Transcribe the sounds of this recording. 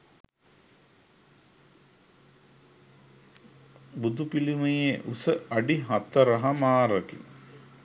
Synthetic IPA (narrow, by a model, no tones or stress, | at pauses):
bud̪upilimejeʔusəɐɖiɦɐt̪ːɐɾɐɦɐmaːɾɐkḭ